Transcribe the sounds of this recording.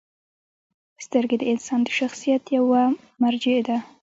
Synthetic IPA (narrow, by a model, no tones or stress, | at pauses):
st̪əɾɡed̪əɪnsɑnd̪əʃaxsijat̪jawa | maɾd͡ʒɪd̪a